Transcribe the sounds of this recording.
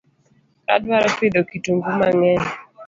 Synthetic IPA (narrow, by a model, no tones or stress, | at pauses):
ɾa̰dwaɾɔpɪd̪okituŋɡumaŋɛɲ